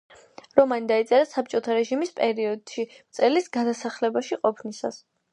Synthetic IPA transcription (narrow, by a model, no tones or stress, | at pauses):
ɾɔmanid̪ait̪sʼɛɾasap̚t͡ʃʼɔt̪ʰaɾɛʒimispʼɛɾiɔd̪̥ʃimt̪sʼɛlisɡad̪asaχlɛbaʃiqʼɔpʰnisa̰s